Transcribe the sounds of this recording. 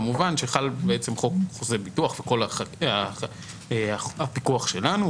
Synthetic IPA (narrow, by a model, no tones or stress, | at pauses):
muvanʃeχalbeet͡se̞mχo̞k̚χozebituaχveko̞laaa | eaapikuaχʃe̞lanu